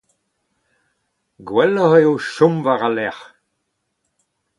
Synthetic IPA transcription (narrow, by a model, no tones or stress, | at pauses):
ɡwɛlːəheoʃɔ̃mvaʁalɛʁ